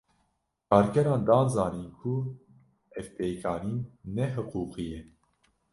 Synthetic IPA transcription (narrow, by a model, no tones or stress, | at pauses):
kʰɑːɾkɛɾɑːnd̪ɑːnzɑːniːnkʰu | ɛvpeːjkʰɑːniːnnɛɦɨquːqijɛ